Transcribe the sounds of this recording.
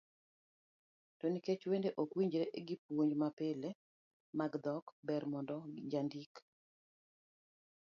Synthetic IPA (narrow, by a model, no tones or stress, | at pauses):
toniket͡ʃwendeʔokwiɲd͡ʒɾeʔeɡipwoɲd͡ʒmapele | maɡd̪ɔkbɛrmɔndɔd͡ʒandik